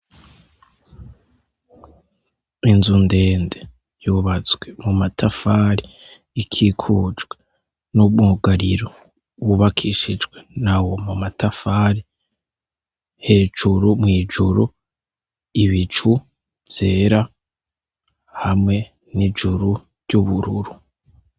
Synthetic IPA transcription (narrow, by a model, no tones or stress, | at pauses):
inzunde̞ːnde | juβazɡwemumatʰafaɾiː | kʰikʰud͡ʒɡwe | nubŋuɡaɾiɾo | wuβakʰiʃid͡ʒɡwenawo̞mumatʰafaːɾi | he̞ːd͡ʒuɾumŋiːd͡ʒuɾu | iβit͡ʃu | vj̥e̞ːɾa | hamŋe̞ | nid͡ʒuɾu | ɾɟuβuɾuɾu